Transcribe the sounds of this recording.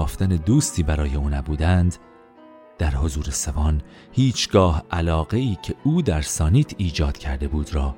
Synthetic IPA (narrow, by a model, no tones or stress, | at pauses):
ft̪æned̪uːst̪ʰiːbæɾɒːje̞uːnæbuːd̪ænd̪ | d̪̥æɾho̞zuːɾe̞sebɒːn | hiːt͡ʃʰɡɒːhʔælɒːɣe̞iːcʰe̞uːd̪æɾsɒːniːt̪ʰiːd͡ʒɒːd̪̥cʰæɾd̪e̞buːd̪̥ɾɒː